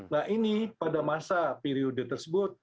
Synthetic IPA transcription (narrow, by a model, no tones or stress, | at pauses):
naɦinipadamasapeɾiodət̪ərsəbʊt̪̚